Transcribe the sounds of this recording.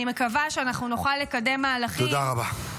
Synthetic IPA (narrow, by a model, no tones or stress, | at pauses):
ime̞kavaʃeanaχnunoχalːe̞kade̞mːaːlaχt̪oid̪aʁaba